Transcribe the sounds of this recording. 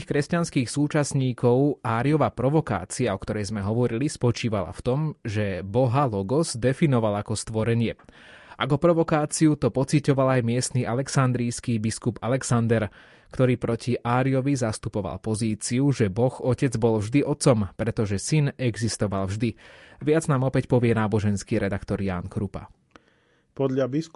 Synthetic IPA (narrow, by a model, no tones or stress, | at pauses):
xkɾɛscanskiːxsuːt͡ʃasɲiːkɔʊaːɾiɔʋapɾɔʋɔka̰ːt͡siaɔkt̪ɔɾɛjzmɛɦɔʋɔɾilispɔt͡ʃiːʋala̰ft̪ɔmʒɛbɔɦalɔɡɔzd̪ɛfinɔʋalakɔst̪ʋɔɾɛɲɪɛ | akɔpɾɔʋɔkaːt͡siut̪ɔpɔt͡sicɔʋalajmɪɛst̪niʔalɛksand̪ɾiːskiːbiskubalɛksand̪ɛɾ | kt̪ɔɾiːpɾɔciʔaːɾiɔʋizast̪upɔʋa̰lpɔziːt͡siuʒɛbɔxɔcɛd͡zbɔlvʒd̪iʔɔt̪t͡sɔmpɾɛt̪ɔʒɛsinɛɡzist̪ɔʋalvʒd̪iʋɪad͡znaːmɔpɛcpɔʋɪɛnaːbɔʒɛnskiːɾɛd̪akt̪ɔɾja̰ːnkɾupa̰ | pɔd̪ʎabis